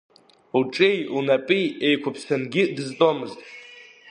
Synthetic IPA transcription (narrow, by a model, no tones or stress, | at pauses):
uʈ͡ʂʼejunapʼiejkʷʰapʰsanɡʲɪdɨztʼomɨztʼ